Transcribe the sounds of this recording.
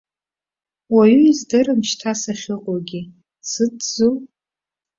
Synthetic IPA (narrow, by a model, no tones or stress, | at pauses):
waɥyizdɨrɨmʃtʰasaχʲɨqʼoɡʲi | sɨdzu